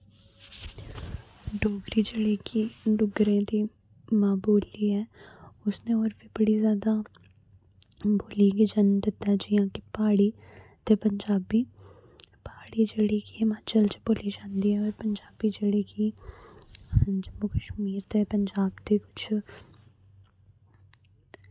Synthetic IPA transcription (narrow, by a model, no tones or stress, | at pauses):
ɖoːɡɾid͡ʒɪɽikiɖʊɡɾẽt̪i | mãːboːliɦɛːʊsneɔːɾbʱibɐɽizjaːd̪a | boːlikid͡ʒand̪ɪt̪ɛd͡ʒɪɦãːkipaːɽit̪epɐ̃ɲd͡ʒaːbi | paːɽid͡ʒəɽikimãːt͡ʃɐlt͡ʃeboːlid͡ʒaːnd̪iɦɛɔːɾpɐɲd͡ʒaːbid͡ʒɪɽiki | d͡ʒɐmːukəʃmiːɾt̪epɐɲd͡ʒaːbt̪ekʊ̥t͡ʃʰ